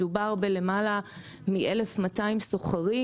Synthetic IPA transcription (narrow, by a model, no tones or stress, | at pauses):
ubaʁbele̞mala | miʔelefmataimsoχaʁi